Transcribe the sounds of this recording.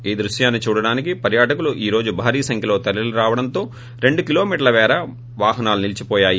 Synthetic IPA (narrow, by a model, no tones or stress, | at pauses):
iːd̪ɾuʂjaːnːit͡ʃuːɽɐɽaːnikipɐɾjaːʈɐkuluʔiːɾo̞ːd͡ʒubʱaːɾiːɐsɐŋkʰjɐloːt̪ɐliluɾaːʋɐɽɐnt̪o̞ː | ɾe̞ɳɖukilo̞ːmiːʈɐɾlɐʋɛːɾɐ | ʋaːɦɐnaːlunilit͡ʃipɔːjaːji